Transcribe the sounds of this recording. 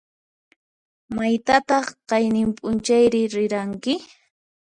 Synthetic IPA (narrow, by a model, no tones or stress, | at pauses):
majt̪at̪ɑχqɑjnɪmpʼʊnt͡ʃajɾɪɾɪɾaŋkɪ